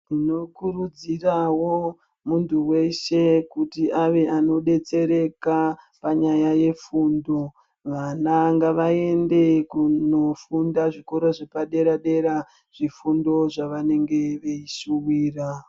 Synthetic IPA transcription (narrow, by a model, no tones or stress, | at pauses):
ino̞kurud͡zirawo̞ | muntʰuwe̞ʃe̞kutiʔaʋeʔano̞ɗe̞t͡se̞ɾe̞ka | paɲajaje̞fundo̞ | ʋanaŋɡaʋae̞nde̞kuno̞fundaʐiko̞ɾoʐepaɗe̞ɾaɗe̞ɾa | ʐ̥ifundo̞ʐaʋane̞ŋɡe̞ʋeiʃuwiːra